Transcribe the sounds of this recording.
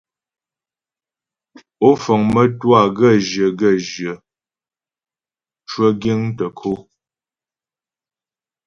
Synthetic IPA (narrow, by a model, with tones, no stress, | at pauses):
o˦fə˨ŋmə˦twa˦˨ɡə˦˨ʒjə˨ɡə˦˨ʒjə˨ | t͡ʃwə˦ɡi˦ŋtə˨kʰo˦